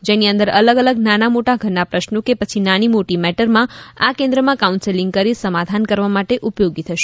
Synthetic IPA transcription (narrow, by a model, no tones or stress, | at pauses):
d͡ʒeniə̃nd̪əɾələɡələɡnanamoʈaɡʱənːapɾəʃnokepət͡ʃʰinañimoʈimɛʈəɾmãakẽnd̪ɾəmãkaunseliŋɡkəɾisəmad̪ʱankəɾʋamaʈeʔupjoɡit̪ʰəʃe̥